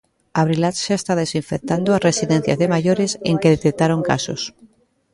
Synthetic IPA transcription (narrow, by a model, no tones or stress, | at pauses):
aβɾilat̪ʃaest̪aðesiɱfek̚t̪and̪oasresiðẽn̟θjazðemaʝoɾeseŋkeðet̪ek̚t̪aɾoŋka̰so̰s